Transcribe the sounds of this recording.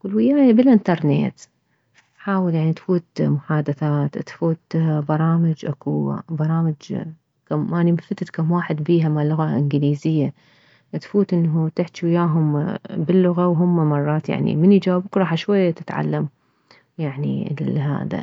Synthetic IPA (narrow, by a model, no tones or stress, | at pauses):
wʊlwɪjaːjabɪlʔɪnt̪ɑɾˤnḛːt̪ | ʔħaːwɪljaʕnit̪fuːt̪mʊħaːd̪aθaːt̪t̪fuːt̪bɑɾˤɑːmɪd͡ʒʔakubɑɾˤɑːmɪd͡ʒ | kamʔanimfat̪ɪt̪kamwaːħɪd̪biːɦamalːʊɣaʔɪnɡliːzɪjːa | ʔt̪fuːt̪ʔɪnːɦut̪ɪħt̪wɪjaːɦʊmbɪlːʊɣawɦʊmːamɑrˤːɑːt̪ja̰ʕnḭmɪnid͡ʒaːbukɾˤɑːħaʃwajːat̪ɪt̪ʕa̰lːam | jaʕnḭllɦa̰ːða̰